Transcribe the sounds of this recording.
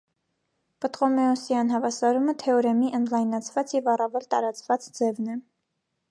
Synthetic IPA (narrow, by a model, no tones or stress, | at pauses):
pət̪ʁɔmɛɔsjɑnɦɑvɑsɑɾumət̪ʰɛɔɾɛmiʔənd̪lɑjnɑt͡sʰvɑt͡sjɛvɑrɑvɛlt̪ɑɾɑt͡svɑt͡sd͡zɛvnɛ